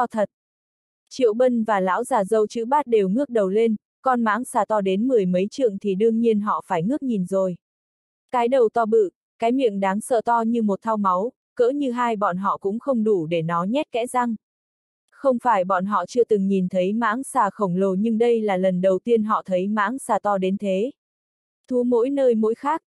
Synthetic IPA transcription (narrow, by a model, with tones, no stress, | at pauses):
t̪ɔ˧t̪ʰə˨˩t̚ | t͡ɕḭ˧˨əwɓə˧nvaː˨˩la̰ː˧˥wzaː˨˩zə˧wt͡ɕɨ̰˧˥ɓaː˦˥t̚ɗe˨˩wŋɨ˦˥ək̚ɗə˨˩wle˧n | kɔ˧nma̰ː˧˥ŋsaː˨˩t̪ɔ˧ɗe˨˦nmɨ˨˩əjmə˨˦jt͡ɕɨ̰˧˨əŋt̪ʰi˨˩ɗɨ˧əŋɲi˧ənɦɔ̰˧˨faː˧˩jŋɨ˦˥ək̚ɲi˨˩nzo˨˩j | kaː˨˦jɗə˨˩wt̪ɔ˧ɓɨ̰˧˨ | kaː˨˦jmḭ˧˨əŋɗaː˨˦ŋsə̰ː˧˨t̪ɔ˧ɲɨ˧mo˨˩t̚t̪ʰa˧wma˨˦w | kə̰ː˧˥ɲɨ˧ɦaː˧jɓɔ̰˧˨nɦɔ̰˧˨kʊ̰˧˥ŋ͡mxə˧wŋ͡mɗu˧˩ɗe˧˩nɔ˨˦ɲɛ˦˥t̚kɛ̰˧˥za˧ŋ | xə˧wŋ͡mfaː˧˩jɓɔ̰˧˩nɦɔ̰˧˨t͡ɕɨ˧ət̪ɨ˨˩ŋɲi˨˩nt̪ʰə˨˦jma̰ː˧˥ŋsaː˧˩xə˧˩wŋ͡mlo˧˩ɲɨ˧ŋɗə˧jlaː˨˩lə˨˩nɗə˨˩wt̪i˧ənɦɔ̰˧˨t̪ʰə˨˦jma̰ː˧˥ŋsaː˧˩t̪ɔ˧ɗe˨˦nt̪ʰe˨˦ | t̪ʰu˨˦mo̰˧˥jnəː˧jmo̰˧˥jxaː˦˥k̚